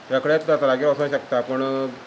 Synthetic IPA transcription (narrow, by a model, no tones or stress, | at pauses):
t̪jakəɽet̪d̪at̪alaɡiːɾɔsəɕəkt̪apəɳ